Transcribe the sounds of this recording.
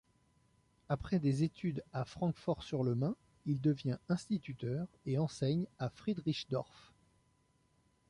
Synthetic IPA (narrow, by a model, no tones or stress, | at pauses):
apχɛd̪ezet̪ʰyd̪afχɑ̃kfɔʁsyʁləmɛ̃ | ild̪əvjɛ̃ɛ̃st̪it̪yt̪œʁeɑ̃sɛɲafχid̪ʁiʃd̪ɔʁf